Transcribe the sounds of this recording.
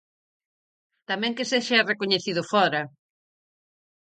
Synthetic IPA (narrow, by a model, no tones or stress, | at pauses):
t̪amɛ̃ŋkɪseʃrekoɲeθiðʊfɔɾɐ